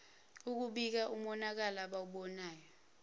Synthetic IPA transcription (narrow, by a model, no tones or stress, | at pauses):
uk̬uɓik̬aʔumɔnak̬alaɓawuɓɔnaːjɔ